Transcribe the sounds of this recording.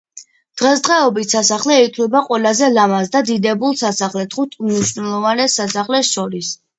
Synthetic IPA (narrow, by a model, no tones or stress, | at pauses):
d̪̥ʁɛsd̪ʁɛɔbit̪sasaχlɛik̪ʰlɛbaqʼwɛlazɛlamasd̪ad̪id̪ɛbulˠsasaχlɛt̪ʰχut̪ʰmniʃnɛlˠɔvanɛsasaχlɛsʃɔɾis